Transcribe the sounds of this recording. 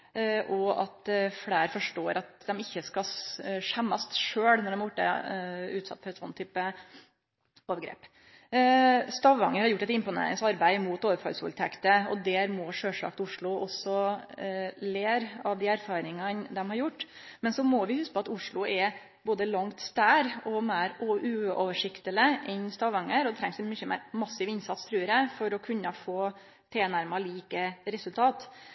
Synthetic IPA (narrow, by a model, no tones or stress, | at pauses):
ʔɔɑ̰t̪fɽeːɾfɔʂʈoːɾʔɑt̪̚d̪ɛmɪçːəskɑʂɛmːɑst̪ʂøːɽnɔɖɛmjʊʈːə̰ʉːt̪sɑ̰t̪ːfɔɾɛt̪sɔnːt̪ʰyːpə | oːʋəɾɡɾḛːp | st̪ɑʋɑŋəɾhɑɾjʊʈːɛt̪ɪmpʊnḛːɾɪ̰ŋsɑɾbæɪmuːt̪oːʋəfɑ̰lsṵlt̪ʰɛkt̪əɔd̪ɛɾmɔːʂøːʂɭɑ̰ːkt̪ʊʂɭʊʔɔsɔ | leːɾɑʋd̪iːæɾfɑːɾɪŋɑnd̪ɛmhɑɾjʊʈː | mɛnsɔmɔʋɪhʉskəpʰɔɑt̪ʊʂɭʊɛ | boːd̪əlɑŋt̪st̪æːɾɔmæɪɾɔʔʉːɔʋəʂɪkt̪ələʔɛnst̪ɑʋɑŋːəɾɔd̪ɛt̪ʰɾɛŋsɛmyçəmæ̰ːɾmɑsːɪʋɪnsɑt̪st̪ʰɾʉːəɾəfɔɾɔkʰʉnːɑfoː | t̪ʰeːnæɾmɑliːkəɾɛsʉlt̪ʰɑːt̪